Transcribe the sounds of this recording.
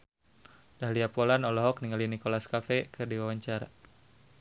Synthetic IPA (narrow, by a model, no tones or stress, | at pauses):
daɦliapɔlanɔlɔɦɔkniŋalinikɔlaskafɛkɨrdiwawaɲt͡ʃaɾa̰